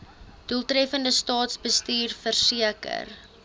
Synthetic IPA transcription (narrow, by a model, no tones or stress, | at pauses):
d̥ulˠtrɛfəndəstɑːtsbəstiːrfərsiəkə̰r